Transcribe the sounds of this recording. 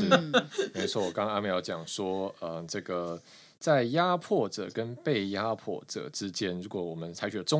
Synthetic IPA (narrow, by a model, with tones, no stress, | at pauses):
me˧˥ɪt͡sʰwɔ˥˩wɔ˨˩kɑ˥ŋa˥mə˨˩jɑ˧˥˩ʊt͡ɕjɑ˨˩ŋʂwɔ˥ə˧ʈ͡ʂɤ˥˩ɡə˩ | t͡sa˥˩ɪja˦˥pʰwɔ˥˩ʈ͡ʂɤ̰˨˩kə˦npe˥˩ɪja˥pʰwɔ̰˥˩ʈ͡ʂɤ̰˨˩ʈ͡ʂɻ̩˦˥t͡ɕjɛ˥nɻu˧˥kwɔ˨˩˦wɔ˨˩mə˦nt͡sʰa˧˥ɪt͡ɕʰy˨˩lə˦ʈ͡ʂʊ˥